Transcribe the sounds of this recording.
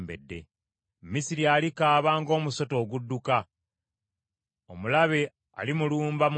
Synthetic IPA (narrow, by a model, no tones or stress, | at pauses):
mbe̞̰dːe̞̰ | mːisiɾialikaːβaːŋɡo̞ːmuso̞to̞ːɡudːuka | omulaβe̞ | a̰limuluːmbam